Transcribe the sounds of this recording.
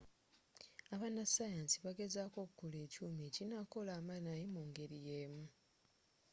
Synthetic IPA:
aβanasajansiβaɡe̞zako̞kukule̞ːcuːmecinako̞laːmanajimuːŋɡe̞ɾije̞ːmu

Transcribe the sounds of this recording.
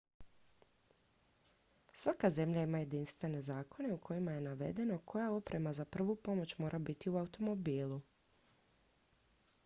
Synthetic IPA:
sʋakaze̞mʎaimaje̞d̪inst̪ʋe̞ne̞zaːko̞ne̞ukʰo̞jimaje̞naʋe̞̰d̪e̞no̞kʰo̞jao̞pɾʔe̞mazapr̩ʋupo̞mo̞t͡ɕmo̞ːɾʔabit̪iuaut̪o̞mo̞biːlˠu

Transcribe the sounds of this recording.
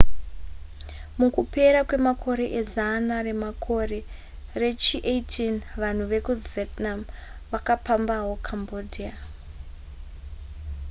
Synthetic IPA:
mukupe̞ɾakwe̞makʰo̞ɾe̞ʔezanare̞makʰo̞re̞ | re̞t͡ʃiʔetʰinʋan̤uʋe̞kuvetnam | ʋakapambaɦo̞kʰambodʱia

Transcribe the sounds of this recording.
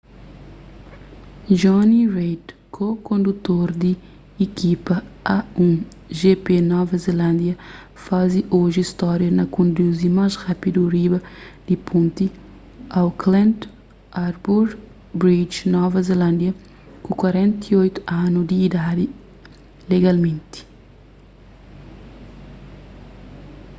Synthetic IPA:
ʒɔnirejd̪kʰokõnd̪ut̪oɾd̪iː | kipɐaũ | ʒepenɔvɐzelãnd̪jɐ | faziʔoʒiist̪ɔɾjɐnɐkõnd̪uzimazʁapid̪uɾibɐd̪̥ipʰõnt̪i | awklɛ̃nt̪ | aɾbuɾ | bɾid͡ʒnɔvɐzelãnd̪jɐ | kukwaɾɛ̃nt̪iojt̪u̥anud̪iːd̪ad̪i | leɡalmẽnt̪i̥

